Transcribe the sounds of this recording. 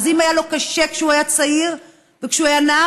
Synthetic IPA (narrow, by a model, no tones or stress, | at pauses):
zimajalo̞kaʃekʃeuajat͡saiʁ | vekʃeuajana